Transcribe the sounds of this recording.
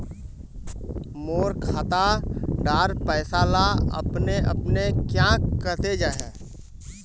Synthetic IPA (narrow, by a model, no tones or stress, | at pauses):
moːɾkʰaːt̪aɖaːɾpəɪsaːlaə̰pneʔə̰pnekjãkəɾt̪ed͡ʒaːɦɛː